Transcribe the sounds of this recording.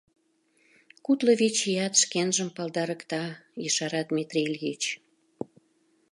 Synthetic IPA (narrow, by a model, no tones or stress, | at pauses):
kut̪lə̆βit͡ɕijɑt̪ʃkenʒəmpɑld̪ɑɾə̆kt̪ɑjəʃɑɾɑd̪mʲit̪rʲilʲit͡ɕ